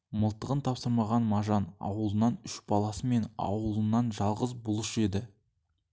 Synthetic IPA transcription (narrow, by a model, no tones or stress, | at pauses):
məlˠt̪əʁənt̪ʰɑpsəɾmɑʁɑnmɑʒɑnɑ̰wəlˠənɑnʏʃb̥ɑlˠɑsəme̞nɑ̰wəlˠənːɑnʒɑlˠʁəzbʊlˠəʃəe̞d̪ɪ